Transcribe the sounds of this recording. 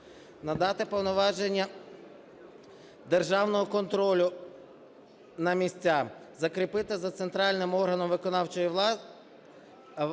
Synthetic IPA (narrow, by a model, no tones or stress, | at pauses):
nɐd̪ɑt̪ɪpɔwnɔʋɑʒenʲːɐ | d̪erʒɑwnɔɦɔkɔnt̪ɾɔlʲʊ | nɐmʲisʲt͡sʲːazɐkɾɪpɪt̪ɪzɐt̪sent̪ɾɑlʲnɪmɔrɦɐnɔmʋɪkɔnɑwt͡ʃɔji